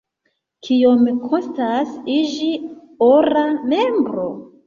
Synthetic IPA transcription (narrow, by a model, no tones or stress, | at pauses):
kʰiomikʰonstasid͡ʒi | oɾame̞mbɾo